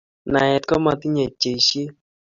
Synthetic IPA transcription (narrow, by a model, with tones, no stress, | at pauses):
na˨jɛ˨tkɔ˦ma˧ti˦ɲe˨t͡ʃe˨ʃe˦